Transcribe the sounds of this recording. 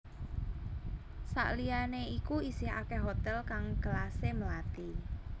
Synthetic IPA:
sa̰ʔlianeikuisiha̰keɦot̪ɛlkaŋɡ̥əlaseməlat̪i

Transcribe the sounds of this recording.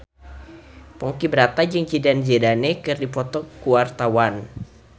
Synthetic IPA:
pɔŋkibəɾat̪ad͡ʒɨŋt͡ʃidand͡ʒedanekɨrdipɔt̪ɔkuwart̪awan

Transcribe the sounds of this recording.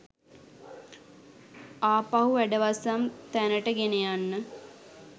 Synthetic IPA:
aːpaɦuʋæɖəʋasamt̪ænəʈəɡenejanːə

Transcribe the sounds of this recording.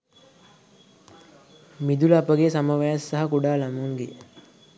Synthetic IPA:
mid̪ulapəɡesaməʋajasːaɦɐkuɖaːlamuŋɡe

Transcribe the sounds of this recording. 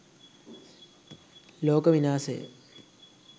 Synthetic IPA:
loːkəʋinaːsəjə̰

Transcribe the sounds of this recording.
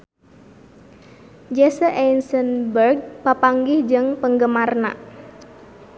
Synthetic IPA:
d͡ʒesəʔensənbərɡ̚papaŋɡɪhd͡ʒɨŋpəŋɡəmarna̰ʔ

